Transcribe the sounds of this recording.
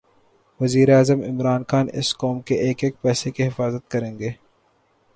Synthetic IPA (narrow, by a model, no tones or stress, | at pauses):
ʋɐziːɾeaːzəmɪ̰mɾaːnxaːnɪ̰skoːmkeʔeːkeːk̚pɛːsekiɦɪfaːzət̪̚kɐɾẽːŋɡeː